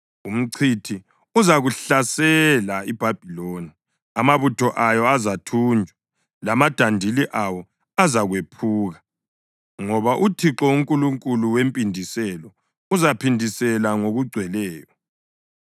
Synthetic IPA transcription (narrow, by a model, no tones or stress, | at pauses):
um̩ǀʰitʰi | uzaɣuɬasɛlaib̥ʱab̥ʱiloːni | amaβutʰɔʔajɔazatʰuːnd͡ʒʱwa | lamad̥ʱandʱiliʔawɔ | azaɣwepʰuːɣa | ŋɔβaʔutʰiǁɔuŋkʼuluŋkʼuluwempʼindʱisɛlɔ | uzapʰindʱisɛlaŋoɣuɡ͡ǀʱwɛlɛːjɔ